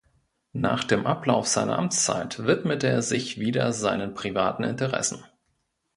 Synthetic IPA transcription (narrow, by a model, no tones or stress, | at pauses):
na̰ːχd̥eːmʔaplaʊfz̥aɪnɐ̰ʔamt͡st͡sa̰ɪtvɪtmətəeːɐzɪçviːdɐ̰zaɪnənpʁ̥ivaːtn̩ɪ̰ntəʁɛ̰sn̩